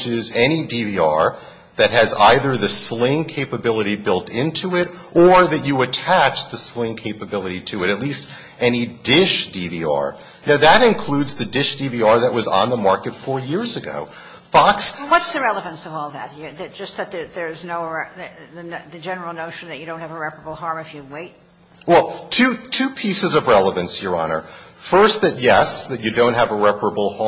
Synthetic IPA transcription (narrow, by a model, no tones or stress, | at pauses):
t͡ʃɪzɛnidiviɑ̰ɹ | ðɨt̚ɦɨza̰ɪðə˞ðɨslɪ̃ŋkʰeɪpəbɪlˠəɾibɪlˠtʰɪ̃ntʰuɪɾ | ʔə˞ðɨt͡ʃɨɨtʰæt͡ʃðɨslɪ̃ŋkʰeɪpɨbɪlˠəɾiɾɨɨɾɨtˡlist | ɛnidɪʃd̥iviɑ̰ɹ | naʊðəɾɨ̃nkʰl̥ʉdzðɨdɪʃd̥iviɑɹðɨʔ̚wʌzn̩ðəmɑɹkɨtfɔɹjɪɹzɨɡo̰ʊ | fɑkswʌtsðɨɹɛlˠəvɨ̃nsʌvɔlˠðɨt̚ɨðɨd̥ʒ̥ʌs̚ðɨt̪̚ðəðə˞znoʊðɨðɨd͡ʒɛnə˞l̩ˠnoʊʃn̩ðɨt͡ʃɨɾõʊ̃nthɨvəɹɛpə˞əbl̩ˠɦɑɹmɨfjɨweɪt̚ | wɛlˠtʰʉtʰʉpʰisɨzʌvɹɛlˠəvɨ̃nsjə˞ɑ̰nə̰˞fɜ˞st̪̚ðɨt̚jɛsðɨt͡ʃɨdõʊ̃nt̚ɦɨvəɹɛpəɹəbl̩ˠh